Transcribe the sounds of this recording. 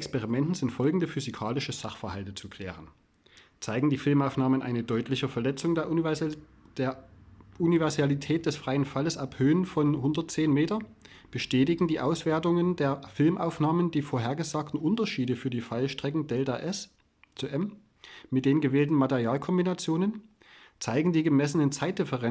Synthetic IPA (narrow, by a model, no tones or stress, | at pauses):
ɛkspɛʁimɛntn̩zɪntfɔlɡŋ̩dəfyzikʰaːlɪʃəz̥aχfɐhaltət͡sukʰl̥ɛ̰ːʁ̞ən | t͡saɪɡŋ̩diːfɪlmaʊfnaːmənʔa̰ɪnədɔʏtʰlɪçəfɛɐlɛt͡sʊŋeɐ̥ | eːɐunivɛɐzalitʰɛːt̚d̥ɛsfʁ̥aɪənfaləsʔaphøːənfɔnhʊndɐt̚t͡seːnmeːtɐ | b̥əʃtɛːtɪɡŋ̩diːʔaʊsv̥eːɐtʊŋəndeːɐfɪlmʔa̰ʊfnaːməndiːfoːɐɦeːɐɡəzaːk̚tn̩ʔʊntɐʃiːdəfyːɐdiːfalʃtʁ̥ɛk̬ŋ̩dɛldaʔɛs | t͡suʔɛm | mɪt̚d̥eːnɡəvɛːltn̩matɛɐʁijaːlkʰɔmbinat͡sjoːnən | t͡saɪɡŋ̩diːɡəmɛsənənt͡saɪt̚d̥ɪfəʁɛ